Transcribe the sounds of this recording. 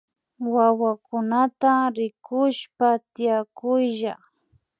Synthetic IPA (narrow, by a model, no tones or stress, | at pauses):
wawakʊnat̪aɾɪkʊʃpat̪ɪjakʊjʒa